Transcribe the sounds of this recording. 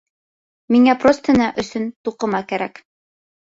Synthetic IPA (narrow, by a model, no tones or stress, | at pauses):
miŋæprost̪ɤ̆nɑʔɵ̆sɵnt̪uqɤ̆mɑkæɾæk